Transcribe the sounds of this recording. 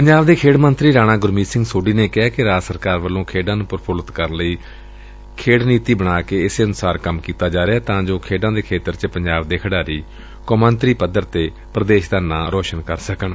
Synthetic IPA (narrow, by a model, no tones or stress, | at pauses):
pəɲd͡ʒaːʋd̪eːkʰeːɽmənt̪ɾiːɾaːɽ̃ãːɡʊɾmiːsɪ̃ŋɡsoːɖiːneːkɪɦaːkɪɾaːd͡ʒsəɾkaːɾʋəlːõːkʰeːɖãːnũːpəɾpʰoːlət̪kəɾnləiː | kʰeːɽniːt̪iːbəɽaːkeːɪseənʊsaːɾkəmkiːt̪aːd͡ʒaːɾeaːt̪ãːd͡ʒoːkʰeːɖãːd̪eːkʰeːt̪əɾt͡ʃəpəɲd͡ʒaːbd̪eːkʰəɽaːɾiː | kɔːmənt̪ɾiːpəd̪əɾt̪eː | pɾəd̪eːʃd̪aːnãːɾoːʃənkəɾsəkəɳ